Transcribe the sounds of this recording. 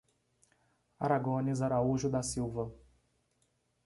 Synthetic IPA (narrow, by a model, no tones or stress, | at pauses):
a̰ɾaɡõnizaɾauʒʊd̪asiwvɐ